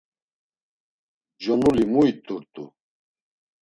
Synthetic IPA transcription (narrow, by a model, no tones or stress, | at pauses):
d͡ʒɔnulimuit̪ʼuɾt̪ʼṵ